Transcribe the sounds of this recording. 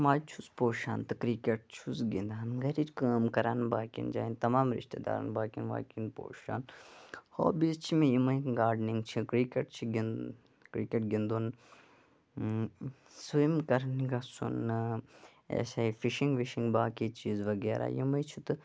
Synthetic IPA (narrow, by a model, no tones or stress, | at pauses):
maːjt͡ʃʰuspoːʃaːnt̪ɨkɾikeʈ̚t͡ʃʰusɡind̪aːnɡɐɾit͡ʃkaːmkɐɾaːnbaːkḭnd͡ʒa̰ːint̪ɐmaːmɾḭʃt̪ed̪a̰ːɾɐ̰nbaːkinʋa̰ːkinpo̰ːʃa̰ːnho̰ːbist͡ʃʰimẽjimɐjɡaːɾɖnĩŋɡt͡ʃʰikɾikʲeʈ̚t͡ʃʰiɡin | kɾikʲeʈ̚ɡind̪un | simkɐɾniɡasṵnːɨ | ḛːsaifiʃiŋɡʋiʃiŋɡbaːkit͡ʃiːzʋɐɡeːɾʔa̰ːjḭmɐjt͡ʃʰut̪ɨ